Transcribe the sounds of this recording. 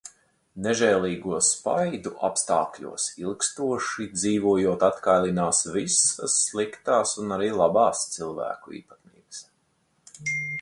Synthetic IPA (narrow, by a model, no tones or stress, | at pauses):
neʒɛːlˠiːɡuɔspa̰jd̪uʔa̰pst̪aːklʲṵɔsilˠkst̪uɔʃid̪ziːvuɔjuɔt̪at̪kajlˠinaːsvisa̰sːlˠikt̪aːsunaɾiːlˠabaːst̪silˠvæ̰ːkuḭːpat̪nḭːbs